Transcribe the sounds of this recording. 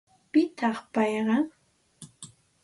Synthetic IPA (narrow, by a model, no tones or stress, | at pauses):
pɪt̪ʰɑχpɑjɢɑŋ